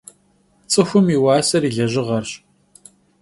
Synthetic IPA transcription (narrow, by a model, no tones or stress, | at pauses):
t͡sʼɨxʷʊmiwɑːsɐɾiːɮɐʑɪʁɐrɕʼ